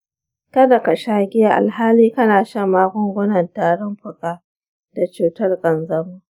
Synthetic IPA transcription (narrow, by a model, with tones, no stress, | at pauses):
kɐ˦da˨ka˨ʃaː˦ɡʲɪ˦jaː˦˨ʔa̰˨lɦaː˦liː˦kɐ˦naː˨ʃɐ˦˨mːaː˦ɡʷʊ˦ŋɡʷʊ˦nɐ˨ntaː˨ɽɔ˦mɸʊ˨kʼaː˦ | d̥a˨t͡ʃuː˨tɐ˦rɡʼɐ˨nzɐ˦mu˦